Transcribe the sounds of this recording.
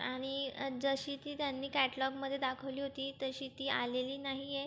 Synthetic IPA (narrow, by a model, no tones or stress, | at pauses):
aɽ̃id͡zəɕiːt̪iːt̪janːiːkæʈlɔbməd̪ʱːjed̪akʰəʋliːɦot̪iːt̪əɕiːt̪iːʔa̰leliːnaɦije